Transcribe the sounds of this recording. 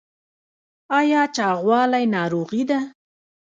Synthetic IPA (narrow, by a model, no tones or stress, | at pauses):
ɑjɑt͡ʃɑɣwɑlajnɑɾoɣid̪a